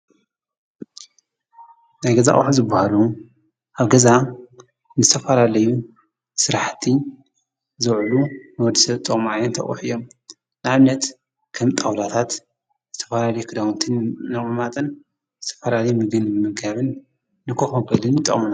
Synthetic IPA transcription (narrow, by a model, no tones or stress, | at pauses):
najɡɐza̰ʔʼħuzɨbːahalu | ʔaβɡɐza | nɨzɨt̪ʰɐfalalɐju | sɨɾaħt̪ʰi | zɨʕlunɨwɔd̪isɐβt̪ʼɨkʼmʕajɛnt̪ʰɐ̰ʔʼṵħijom | nɨʕaβnɐt̪ | kʰɐmt̪ʼawlat̪ʰat̪ | zɨt̪ʰɐ̥falalɐjukʰɨd̪awnt̪ʰɨnnɨmɨmat̪ʼɨn | zɨt̪ʰɐ̥fɐlalɐjumɨɡɨnɨɨmɨɡaβɨnː | ɨkʰoxobɐlɨnt̪ʼɐ̰χʼm